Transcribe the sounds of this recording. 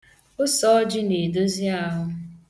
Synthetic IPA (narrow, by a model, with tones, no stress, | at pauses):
ʊ˦sɔ˦ɔ˦d͡ʒɪ˦ne˨do˦zi˦a˦ɦʊ˦